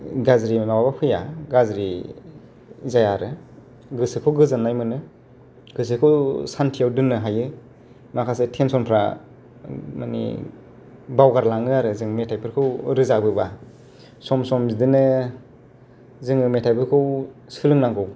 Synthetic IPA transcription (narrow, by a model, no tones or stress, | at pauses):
ɡazɾimababapʰɯjaɡazɾi | zajaɾɯ | ɡɯsɯkʰɯwɡɯzɯnːajmɯnɯ | ɡɯs̬ɯkʰɯwsantʰijawdɯnɯɦajɯ | makʰasɯtʰensɔnpʰɾa̰ | manḭ | bawɡaɾlaŋɯaɾɯzɯŋmetʰajpʰɯɾkʰɯwɾɯzabɯba | sɔmsɔmzidɯnɯ | zɯŋɯmetʰajpʰɯɾkʰɯwsɯlɯŋnaŋɡɯw